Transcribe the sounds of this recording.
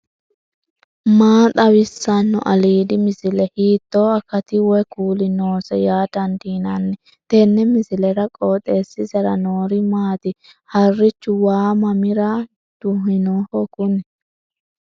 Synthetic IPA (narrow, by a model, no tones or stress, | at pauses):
maːt̪ʼɐwɪsːɐnːɔ̰ʔɐliːd̪ɪmɪsɪlɛhiːt̪ːoːɐkːɐt̪ɪwɛkuːlɪnoːsɛjaːt̪ɐnd̪iːnɐnːɛ | t̪ɛnːɛmɪsɪlɛɾɐkʼoːt̪ʼeːsːɪsɛɾɐnoːɾɪmaːt̪ɪ | hɐrːɪt͡ʃːʊwaːmɐmɪɾɐ | d̪̥ʊɦɪnohɔkʊnɛ